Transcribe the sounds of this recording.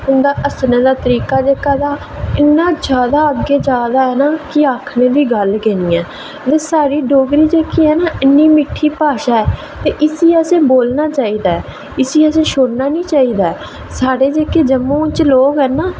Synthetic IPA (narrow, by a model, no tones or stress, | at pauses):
ʊnd̪aːʔəsnẽːd̪aːt̪əɾiːkaːd͡ʒeːkaːd̪aː | ɪnːãːd͡ʒjaːd̪aːəɡːeːd͡ʒaːd̪aːɛːnaːkɪaːkʰnẽːd̪iːɡəlkɛːniːɛː | d̪eːsaːɾiːɖoːɡɾiːd͡ʒeːkiːɛːnaːɪnːiːmɪʈʰːiːpaːʃaːɛː | t̪eːʔɪsiːəsẽːboːlnaːt͡ʃaːiːd̪aːɛː | ɪsiːəsẽːʃoːɽnaːnĩːt͡ʃaːiːd̪aːɛː | saːɽeːd͡ʒeːkeːd͡ʒəmõːt͡ʃloːɡɦɛːnaː